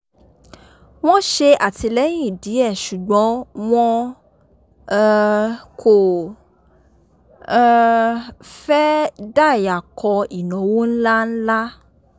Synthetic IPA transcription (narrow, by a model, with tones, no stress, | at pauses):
w̃ɔ̃˦ʃe˧a˦˨ti˧lɛ˨˦j̃ĩ˦˨di˨˦ɛ˦˨ʃu˨ɡ͡bɔ̃˨˦w̃ɔ̃˦˧ | kʰo˨˦˧ | fɛ˦da˦˨ja˨kɔ˧i˨nɔ̃˨˦wo˦n̩˦la˦n̩˦la˦